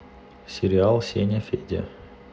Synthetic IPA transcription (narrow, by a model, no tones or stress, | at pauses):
sʲɪɾʲɪalˠsʲenʲəfʲedʲɪə̰